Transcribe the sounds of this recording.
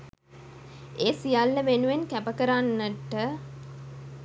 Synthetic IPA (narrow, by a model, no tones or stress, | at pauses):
eːsijalːəʋenuʋenkæpəkəɾanːəʈːə